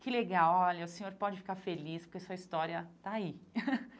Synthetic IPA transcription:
kɪleɡawɔʎɐʊsẽoɾpɔd͡ʒɪfi̥kaɾfelispoɾkesuɐist̪ɔɾiɐt̪aai

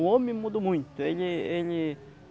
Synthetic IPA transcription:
ʊõmẽmud̪omũj̃t̪ʊelɪelɪ

